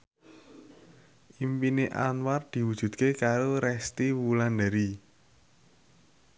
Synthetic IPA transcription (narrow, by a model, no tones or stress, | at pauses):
ʔimpineʔa̰nward̪̥i̤wud̥ʒ̥ṳd̪̚kekaɾoɾɛst̪iwuland̪aɾi